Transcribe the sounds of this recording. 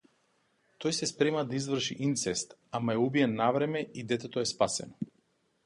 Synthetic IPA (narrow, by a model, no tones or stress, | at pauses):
t̪ɔjsɛspɾɛmad̪aizvrʃḭʔint̪sɛst̪amaɛubiɛnːavɾɛmɛid̪ɛt̪ɛt̪ɔɛspasɛ̰nɔ